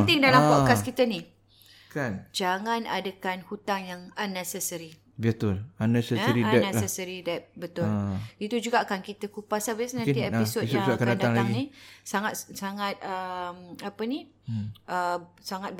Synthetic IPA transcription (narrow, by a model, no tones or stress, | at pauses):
t̪ɪŋdalampɔkaskit̪əni | kand͡ʒaŋãnadakanhut̪aŋjaŋanːɛsɛsəɾi | bət̪ʊlanːɛsɛsɾiaɛnɛɛsəɾidɛp̚bət̪ʊlit̪ud͡ʒuɡaːkankit̪əkupasabisnãnieisosakanadad̪aŋlaɡŋinisaŋat̪̚saŋat̪̚əmapəni | ʔəsaŋat̪̚